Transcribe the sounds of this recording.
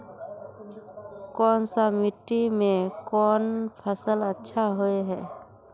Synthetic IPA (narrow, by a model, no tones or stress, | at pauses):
kɔnsamiʈːimẽkɔnpʰəsələtːʃʰaɦoeɦɛː